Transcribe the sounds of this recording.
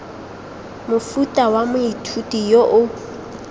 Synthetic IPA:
mʊfutʼawamʊitʰutʼijoʔʊ

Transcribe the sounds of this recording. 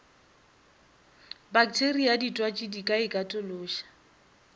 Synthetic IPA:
bakʼtʰeriaditʼwat͡ʃʼɪdikʼaɪkʼatʼʊlʊːʃḁ

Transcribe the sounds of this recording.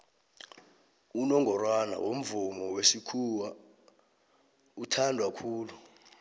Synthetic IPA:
unɔŋʱɔrwana̰wom̩vumɔwesikʰuwa | utʰandʱwakʰuːlu

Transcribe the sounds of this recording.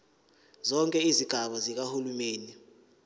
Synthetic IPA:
zɔŋkʼɛiziɡ̥ʱaɓazik̬ahulumeːni

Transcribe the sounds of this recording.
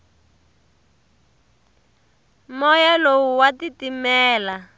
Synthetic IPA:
mɔjalowuwatitimɛːla

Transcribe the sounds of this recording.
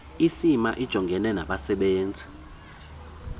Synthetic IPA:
isimaʔid̥ʒ̥ʱɔŋɡʱɛnɛnaɓasɛɓeːnd͡zʱi̥

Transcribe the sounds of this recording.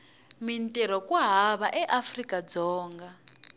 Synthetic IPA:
mintʼɛɾɔkwaɦaβaʔɛʔafrikad͡zɔːŋɡa

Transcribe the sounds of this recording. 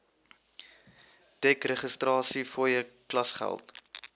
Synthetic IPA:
d̥ɛkrəχəstrɑːsifɔjəklɐsχæ̰lˠt

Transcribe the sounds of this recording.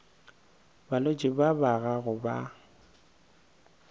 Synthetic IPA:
balot͡ʃʼɪbabaɣaɣʊba̰

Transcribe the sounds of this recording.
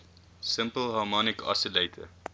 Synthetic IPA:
səmpəlˠɦɑːmɔnikʰɑ̰səlejtʰə̰

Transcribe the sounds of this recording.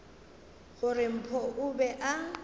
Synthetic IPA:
ɣʊrɪm̩pʰɔʔʊbɛʔa

